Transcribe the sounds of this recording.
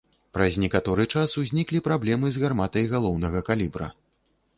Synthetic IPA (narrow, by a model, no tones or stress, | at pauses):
pɾɐzʲnʲɛkat̪ɔɾɨt͡ʂasuzʲnʲiklʲipɾablʲɛmɨzɣarmat̪ɐjɣalˠɔwnɐɣɐkalʲibɾɐ̰